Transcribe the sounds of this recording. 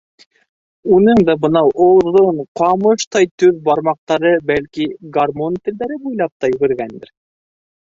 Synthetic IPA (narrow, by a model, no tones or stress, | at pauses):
unɤŋd̪ɑbɤ̆nɑwʔŏwðoɴqɑmɤʃt̪ɑjt̪ʉðbɑɾmɑq̚t̪ɑɾɤbælkiɡarmont̪ɘ̆ld̪æɾɘbujlˠɑp̚t̪ɑjɵɡɘ̆ɾɡænd̪ɘ̰ɾ